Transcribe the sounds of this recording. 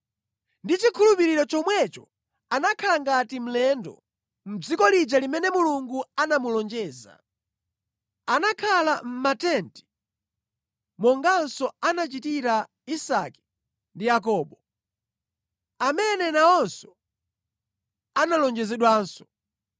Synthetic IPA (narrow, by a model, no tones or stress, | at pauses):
ndit͡ʃikʰulupiɾiɾɔt͡ʃɔmwɛt͡ʃɔ̥ | anakʰalaŋɡatim̩lɛndɔ̰ | m̩d͡zikɔlid͡ʒalimɛnɛmuluŋɡuanamulɔnd͡ʒɛːza̰ | anakʰalam̩matɛnti̥ | mɔŋɡansɔanat͡ʃitiɾa | isakɛ̥ | ndijak̬ɔːɓɔ | amɛnɛnaɔnsɔ̥ | analɔnd͡ʒɛzɛɗwaːnsɔ̥